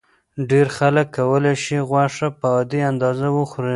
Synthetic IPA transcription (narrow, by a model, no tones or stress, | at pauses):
ɖeɾxaləkːawəlajʃiɣwaʂapəɑd̪iand̪ɑzawəxɾi